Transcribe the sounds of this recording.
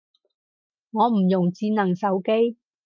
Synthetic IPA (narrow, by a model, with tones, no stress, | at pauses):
ŋɔː˨˧m̩˨˩jʊ˨˩ŋt͡siː˧nɐ˨˩ŋsɐ˨˧wke˥j